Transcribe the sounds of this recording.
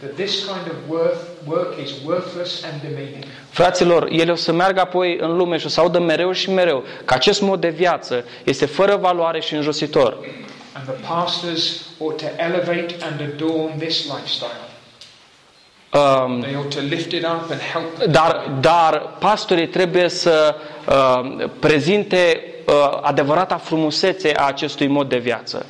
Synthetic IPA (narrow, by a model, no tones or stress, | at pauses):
ðɨt̪̚ðɪskʰãɪ̃ndʌvw | wɜ˞kɪzwɜ˞θləsɨ̃ndɨmĩnjɨ̃ŋ | fɾat̪silo̞rje̞leosəmearɡəapo̞jɨ̰nlume̞ʃiosəaud̪əme̞ɾe̞wʃime̞ɾe̞wkəat͡ʃe̞st̪mo̞d̪̚ːe̞vjat̪sə | je̞st̪e̞fəɾəvaluaɾe̞ʃiɨnʒo̞sit̪o̞r | ə̃nðəpʰæstə˞zɔtʰɨʔɛlˠəveɪɾɨ̃nɨdɔɹnðɪslaɪfstaɪlˠ | ðeɪɔtʰəlɪftɪɾʌpɨ̃nhɛlˠp̚d̪ard̪arpast̪oɾijt̪ɾe̞buje̞səəpɾe̞zint̪e̞ | a̰d̪e̞vəɾat̪afɾumuse̞t̪se̞ʔaːt͡ʃe̞st̪ujmo̞d̪̚ːe̞vja̰t̪sə̰